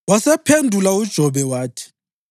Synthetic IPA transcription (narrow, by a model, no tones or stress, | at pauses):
wasɛpʰendʱulaud̥ʒ̥ʱɔβɛwaːtʰi̥